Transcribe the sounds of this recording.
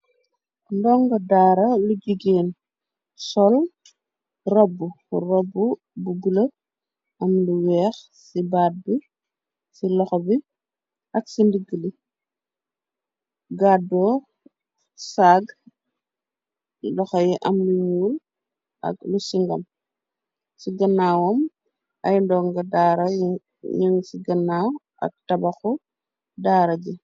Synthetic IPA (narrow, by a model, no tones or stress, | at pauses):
ndɔŋɡɐdaːɾɐluɡiɡeːn | sɔl | rɔbːu | rɔbːu | buɡulɐ | ɐmluwɛːx | sibaːd̚bi | silɔxɔbi | ʔɐɡsindiɡəli | ɡaːdɔː | saːɡ | lɔxɐjɛʔɐmluɲuːl | ʔɐ̰ɡlusiŋɡɐm | siɡɐnːaːwɔm | ʔɐjndɔːŋɡɐdaːɾɐ | jiŋsiɡɐnːaːw | ʔɐ̰k̚tɐbɐxɔ | daːɾɐɟi